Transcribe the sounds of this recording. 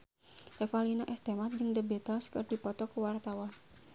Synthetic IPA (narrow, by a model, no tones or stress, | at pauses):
refalinaʔɛst̪emat̪̚d͡ʒɨŋdəbet̪ɔskərd̥i̤pɔt̪ɔkəwart̪awan